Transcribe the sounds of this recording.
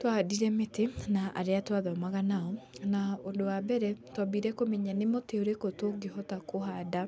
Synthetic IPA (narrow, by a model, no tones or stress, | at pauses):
twadiɾɛmetenaʔa̰ɾeatwaðɔmaɣanaɔnaondowabɛɾɛtwabiɾɛkomɛɲanemoteoɾekotoɡehɔtakoɦada